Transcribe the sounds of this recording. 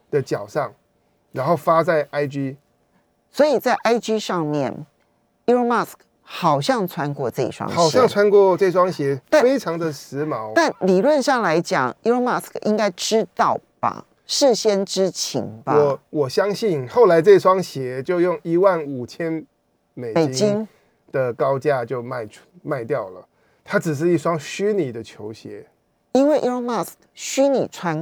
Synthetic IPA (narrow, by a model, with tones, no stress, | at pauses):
d̪̥ə˨t͡ɕjɑ˨˩ʊʂɑ˥˨ŋ | ɻa˧˥nxo˥˩ʊfa˦t͡sa˥˩ɪʔa˥ɪt͡ɕy˥ | swɔ˧˥i˨˩t͡sa˥˩ɪʔa˥ɪt͡ɕy˥ʂɑ˥˧ŋmjɛ˥˨˩n | i˥o˥ma˥˩sk | xɑ˨˩ʊɕjɑ˥˩ŋt͡sʰwa˦nkwɔ˥˧ʈ͡ʂɤ˥˧ḭ˩ʂwɑ̰˥ŋxɑ˨˩ʊjɑ˥˨ŋt͡sʰwa˦˥nkwɔ˥˧ʈ͡ʂɤ˥˧i˧ʂwɑ˥ŋɕjɛ˨˧˥a˥˨fe˥ɪʈ͡ʂʰɑ˨˦ŋd̪ə˨sɻ̩˧˦mɑ˨˦ʊt̪a˥˩nli˨˩lwə˥˧nʂɑ˥˩ŋla˧˥ɪt͡ɕjɑ̰˨˩ŋi˥o˥ma˥˩skʔḭ˦˥ŋka˥ɪʈ͡ʂɻ̩˥˦t̪ɑ˥˩ʊb̥a̰˨˩ | ʂɻ̩˥˨ɕjɛ˥nʈ͡ʂɻ̩˥˦t͡ɕʰḭ˧˥ŋbaɔ˧˨˦wɔ˨˩ɕjɑ˥ŋɕi˥˨nxo˥˩ʊla˧˥ɪʈ͡ʂɤ˥˧i˧ʂwɑ˦ŋɕjɛ˧˥˦t͡ɕjo˥˧ʊjʊ˥˩ŋi˧˥wa˥˩nu˨˩t͡ɕʰjɛ˦n | me˨˩ɪe˨˩ɪt͡ɕi˦ŋ | d̪̥ə˨kɑ˥ʊt͡ɕja˥t͡ɕjo˥˧ʊma˥˧ɪ̥˥ma˥˧ɪt̪jɑ˥˩ʊlə˩ | t̪ʰa˥ʈ͡ʂɻ̩˨˩ʂ̬ɻ̩˥˧i˥˩ʂwɑ˦ŋɕy˥ni˨˩d̪ə˦t͡ɕʰjo˧˥ʊɕjɛ̰˧˦ | i˥nwe˥˩ɪʔi˥o˥ma˥˩skɕy˥ni˨˩t͡sʰwa˦n